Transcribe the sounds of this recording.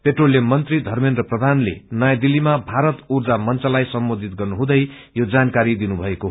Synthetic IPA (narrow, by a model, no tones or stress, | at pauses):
peʈrolːemʌnt̪rid̪ʱʌrminrʌprʌd̪ʱanlḛnʌjad̪ilːimabʱaɾʌt̪urd͡zamʌnt͡sʌlajsʌmbod̪ʱit̪ɡʌrnuɦũd̪ʌj | jod͡zankaɾid̪inubʱʌeko